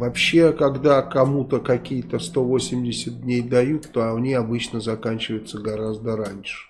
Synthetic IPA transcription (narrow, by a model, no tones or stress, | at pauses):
vɐpɕːe̞kɐɡd̪akɐmut̪əkɐkʲijət̪əst̪o̞vo̞sʲɪmdʲɪsʲət̪̚dʲnʲejd̪ɐjut̪ːoɐnʲiɐbɨt͡ɕnəzɐkanʲt͡ɕɪvəjɪt̪səɡɐɾazd̪əɾanʲʂɨ̥